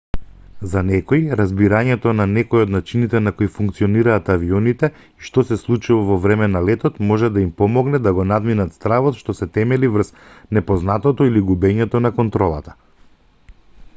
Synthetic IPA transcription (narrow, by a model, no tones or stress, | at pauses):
zanɛkɔjɾazbiɾaɲɛt̪ɔnanɛkojɔd̪nat͡ʃinit̪ɛnakoifuŋk̚t̪siɔniɾaːt̪aviɔnit̪ɛ | iʃt̪ɔsɛslˠut͡ʃuvavɔvɾɛmɛnalɛt̪ɔt̪mɔʒɛd̪aimpɔmɔɡnɛd̪aɡɔnad̪minat̪st̪ɾavɔt̪ʃt̪ɔsɛt̪ɛmɛlivr̩snɛpɔznat̪ɔt̪ɔiliɡubɛɲɛt̪ɔnakɔnt̪ɾɔlˠa̰t̪ḁ